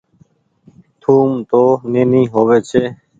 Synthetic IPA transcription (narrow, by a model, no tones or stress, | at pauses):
t̪ʰuːmt̪oːneːnĩːɦoːʋeːt͡ʃʰeː